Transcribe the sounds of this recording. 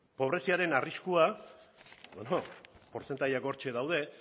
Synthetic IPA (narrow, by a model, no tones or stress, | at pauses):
po̞β̞ɾe̞siaɾe̞nariskua | onopo̞ɾt͡se̞nt̪ajako̞ɾt͡ʃe̞ðawð̞e̞